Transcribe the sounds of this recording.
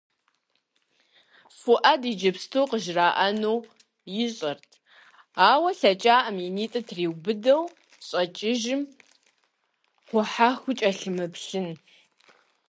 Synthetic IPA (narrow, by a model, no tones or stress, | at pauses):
fʊʔɐdiːd͡ʒɐpstʰowqəʒraːʔɐnow | jɪɕʼɐrtʰ | aːwɐɬɐt͡ʃʼaːʔɐmjiniːtʼɐtʰriːwbɨdɐw | ɕʼɐt͡ʃʼɪʒɪm | χʷɔħaːxʷʊt͡ʃʼɐɬɨmɨpɬɨn